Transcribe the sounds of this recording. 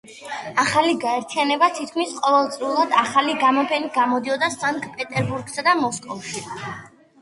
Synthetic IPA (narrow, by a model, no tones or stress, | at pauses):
aχaliɡaɛɾt̪ʰianɛbat̪ʰit̪̚ʰkʰmisqʼɔvɛlˠt̪sʼɾiulˠad̪aχaliɡamɔpʰɛniɡamɔd̪iɔd̪asaŋkʼpʼɛt̪ʼɛɾbuɾɡsad̪amɔskʼɔfʃi